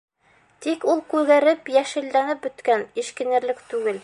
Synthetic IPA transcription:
t̪ikulˠkʉɾɡæɾɘpjæʃɘ̆lːænɘp̚bɵ̆t̪kæniʃkɘ̆nɘ̆ɾlɘkt̪ʉɡɘl

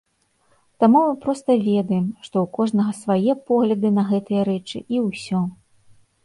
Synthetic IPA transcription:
t̪amumɨpɾɔst̪ɐvʲɛd̪ɐjɛmʂt̪ɔwkɔʐnɐɣɐsvajɛpɔɣlʲɐd̪ɨnɐɣɛt̪ɨjɐɾɛt͡ʂɨ̰ʔiwsʲɔ

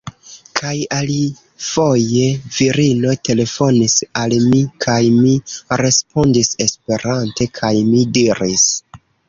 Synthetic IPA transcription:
kʰajali | fo̞je̞viɾino̞te̞le̞fo̞nisalmikʰajmiɾe̞spo̞ndise̞spe̞ɾante̞kʰajmidiɾis

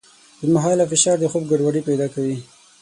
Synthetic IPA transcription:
d̪əmaɦɑlafɪʃɑɾd̪əxob̚ɡaɖwaɽipajd̪ɑkawi

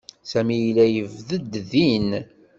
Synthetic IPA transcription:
sæmijlæjəvðəd̪ðin

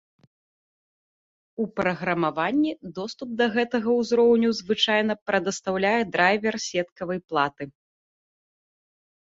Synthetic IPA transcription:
upɾɐɣɾɐmavanʲːid̪ɔst̪up̚d̪ɐɣɛt̪ɐɣɐwzɾɔwnʲuzvɨt͡ʂajn̪ɐpɾɐd̪ɐst̪awlʲajɛd̪ɾajvʲɛrsʲɛt̪kɐvɐjplˠat̪ɨ

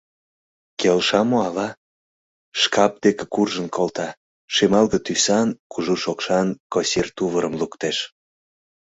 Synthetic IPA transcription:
kelʃɑmoɑlɑ | ʃkɑp̚d̪̥ekĕ̥kurʒənkʰolt̪ɑ | ʃemɑlɣə̆t̪ysɑnkuʒuʃokʃɑnkosirt̪uβəɾəmlukt̪eʃ

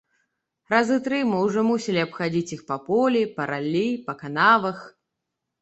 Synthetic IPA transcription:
ɾazɨt̪ɾɨmɨwʐɔmusʲilʲiɐpxad͡zʲit͡sʲixpɐpɔlʲipɐɾʔalʲːijpɐkanavɐx

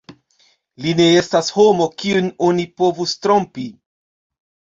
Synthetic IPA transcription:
line̞e̞stasho̞mo̞kiuno̞nipo̞vustɾo̞mpi

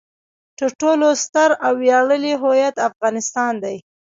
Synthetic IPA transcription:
ʈəʈolost̪aɾawːjɑɽəliɦojat̪afɣɑnɪst̪ɑnd̪aj

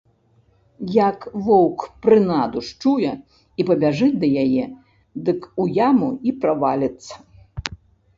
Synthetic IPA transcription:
jakvɔwkpɾɨnad̪uʂt͡ʂujɛ | ipɐbʲaʐɨt͡sʲd̪ɐjajɛ | d̪ɨkujamuipɾavalʲɐt̪sːɐ̥

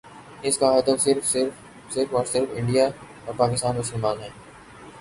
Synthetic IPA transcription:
ɪskaɦɐd̪əfsɪɾfsɪɾf | sɪɾfɔːɾsɪɾfɪ̃ɳɖijajãpaːkɪst̪aːnmʊsəlmaːnɦɛ̃ː

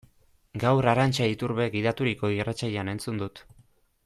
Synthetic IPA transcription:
ɡawɾaɾant͡ʃait̪uɾβe̞ɡiðat̪uɾiko̞irat͡sajeane̞nt͡sund̪ut̪

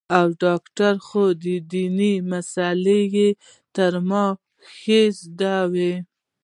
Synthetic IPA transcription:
awɖɑkʈaɾxod̪əd̪inimasaleje | t̪əɾmɑ | xezd̪awe

